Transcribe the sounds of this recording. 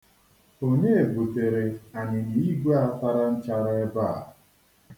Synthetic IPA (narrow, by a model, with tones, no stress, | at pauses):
o˦ne˦e˨bo˨te˨ɾe˨a˨nɪ˨ni˨i˦ɡʷe˦a˦ta˦ɾa˦n̩˦t͡ʃa˦ɾa˦e˦ba˦˨